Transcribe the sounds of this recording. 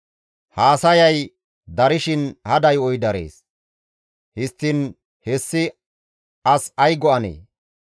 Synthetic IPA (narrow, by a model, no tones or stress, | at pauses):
haːsɐjɐj | d̪ɐɾɪʃɪnhɐd̪ɐjɔjd̪ɐɾḛːs | hɪst̪ːɪn | hɛsːɪ | ɐsɐjɡɔɐnḛː